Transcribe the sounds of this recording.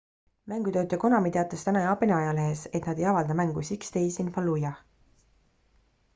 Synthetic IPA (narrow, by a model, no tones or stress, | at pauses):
mæŋɡ̥ut̪ø̞ːt̪ːˑɑko̞nɑmit̪e̞ɑt̪ːˑest̪ænɑjɑːpeneɑjɑleɦeset̪nɑd̪̥e̞jɑvɑld̪ɑmæŋɡ̥usʲikst̪e̞jsinfɑlːujɑ